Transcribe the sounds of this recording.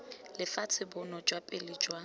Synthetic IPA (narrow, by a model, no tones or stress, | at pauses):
lɪfat͡sʰɪbʊnɔd͡ʒwapʼɪlɪd͡ʒwa